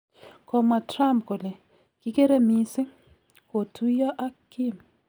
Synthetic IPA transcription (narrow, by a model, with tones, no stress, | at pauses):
kɔ˨ma˨tɾa˦mp̚ko˨le˨ | kɪ˦ke˦ɾe˦mi˦sɪ˦ | ko˨tʰu˦jɔ˦ʔa˦kɪ˦m